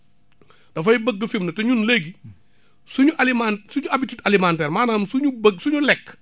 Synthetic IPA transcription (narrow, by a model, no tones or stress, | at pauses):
d̥ɐfɐjibəɡːɐfimnɐtɐɲunleɡi | suɲuʔalimansuɲuɐbititɐlimantɛːrmaːnaːmsuɲubəɡsuɲulɛkː